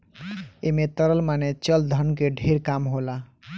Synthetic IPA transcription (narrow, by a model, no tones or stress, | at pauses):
emẽt̪əɾəlmanet͡ʃəld̪ʱənkeɖʱeɾkamɦola